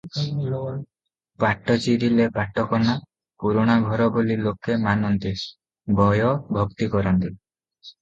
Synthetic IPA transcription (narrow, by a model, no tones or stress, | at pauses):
paʈːɔt͡ʃiɾilepaʈːɔkɔna | puɾoɽ̃aɡʱɔɾɔbolilokʰːemanɔnt̪e | bɔjɔbʱɔɡt̪ikɔɾɔnt̪i